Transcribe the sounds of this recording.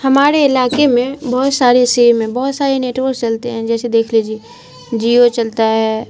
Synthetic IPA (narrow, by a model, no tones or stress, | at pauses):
hɐmaːɾeɪlaːkemẽbɔɦʊt̪saːɾeseːmẽbɔɦʊt̪saːɾeneːʈʋost͡ʃɐlt̪eɦɛ̃d͡ʒɛːsed̪eːkʰlid͡ʒiː | d͡ʒiːot͡ʃɐlt̪aɦɛː